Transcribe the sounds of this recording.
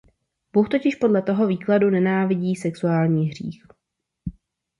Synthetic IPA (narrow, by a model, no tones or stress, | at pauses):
b̥uxt̪o̞cɪʃpo̞dlɛt̪o̞ɦo̞viːkladunɛnaːvɪɟiːsɛksuaːlɲiːɦrḭːx